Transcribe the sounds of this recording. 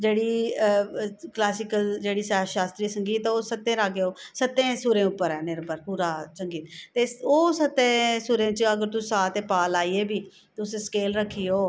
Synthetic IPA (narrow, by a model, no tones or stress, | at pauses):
d͡ʒeːɽiː | klaːsɪkəld͡ʒeːɽiːsɛːʃaːst̪ɾiːsəŋɡiːt̪ːoːsət̪ːẽːɾaɡeoːsət̪ːẽːsuːɾẽːʊpːəɾɛːnɪɾbəɾpuːɾaːt͡ʃəŋɡiːt̪t̪eːoːsət̪ːẽːsuːɾẽːt͡ʃəɡəɾt̪ʊsaːt̪eːpaːlaːiːeːbiː | t̪eʊseskeːlɾəkʰːijoː